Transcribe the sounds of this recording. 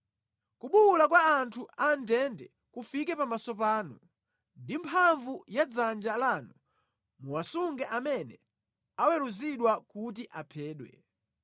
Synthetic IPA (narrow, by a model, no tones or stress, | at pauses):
kuɓulak̬waːntʰuʔandɛndɛ | kufikɛpamasɔp̬aːnu | ndimpʰaɱvujad͡zand͡ʒalaːnu | muwasuŋɡɛʔamɛnɛ | awɛɾuziɗwakut̬iʔapʰɛːɗwɛ̰